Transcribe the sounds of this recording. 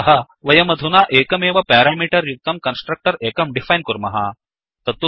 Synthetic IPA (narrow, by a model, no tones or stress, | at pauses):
ɐɦɐ | ʋɐjɐmɐd̪ʱunaːʔeːkɐmeːʋɐpɛːɾamiːʈɐɾjuk̚t̪ɐmkɐnsʈɾɐk̚ʈɐɾeːkɐmɖifajnkuɾmɐɦa | t̪ɐt̪u